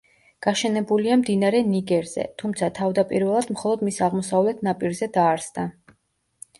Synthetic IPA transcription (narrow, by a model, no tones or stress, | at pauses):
ɡ̥aʃɛnɛbuliamd̪inaɾɛniɡɛɾz̥ɛ̰t̪ʰumt̪sʰat̪ʰavd̪apʼiɾvɛlˠad̪mχɔlˠɔd̪misaʁmɔsavlɛt̪ʰnapʼiɾzɛd̪aːɾsd̪a